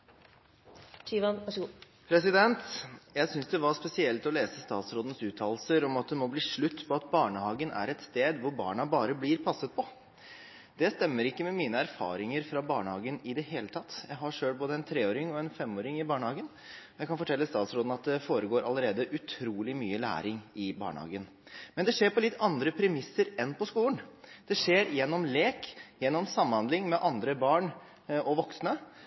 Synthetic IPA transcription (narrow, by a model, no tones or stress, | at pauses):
t͡ʃiʋɑnɑʂ | pʰɾɛsɪd̪ɛnt̪jæɪsʏnsd̪ɛʋɑspɛsɪɛlt̪ɔleːsəst̪ɑːt̪sɾoːd̪n̩sʉːt̪ʰɑːlsəɾɔmɑt̪̚d̪ɛmɔbliːʂɭʉt̪ːpʰɔɑt̪bɑːɳəhɑːɡənʔæ̰ɾɛt̪st̪eːd̪ʋʊɾbɑ̰ːɳɑbɑːɾəblɪɾpʰɑsət̪̚pʰɔ | d̪̥ɛst̪ɛmːəɾɪkːəmɛmiːnəæɾfɑ̰ːɾɪŋəɾfɾɑbɑːɳəhɑːɡənɪd̪ɛɦeːlət̪ʰɑt̪ːjæɪɦɑʂøːlboːd̪əɛnt̪ʰɾeːoːɾɪŋɔɛnfɛmːoːɾɪŋɪbɑːɳhɑːɡən | ɔjæɪkʰɑnfɔʈʰɛlːəst̪ɑːt̪sɾoːd̪n̩ɑt̪̚d̪ɛfoːɾəɡoːɾʔɑ̰lːəɾeːd̪əʔʉt̪ʰɾuːlɪmyːəlæ̰ːɾɪŋɪbɑ̰ːɳhɑ̰ːɡən | mɛnd̪ɛʂeːɾpɔlɪt̪ːɑnd̪ɾəpʰɾɛmɪsːəɾɛnpʰɔskuːlənd̪̥ɛʂeːɾjɛnːɔmleːkjɛnːɔmsɑmːhɑnd̪lɪŋmɛʔɑnd̪ɾəbɑːɳ | ɔʋɔksnə